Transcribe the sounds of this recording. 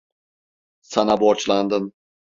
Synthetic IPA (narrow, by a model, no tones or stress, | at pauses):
sanaboɾt͡ʃlˠand̪ɯn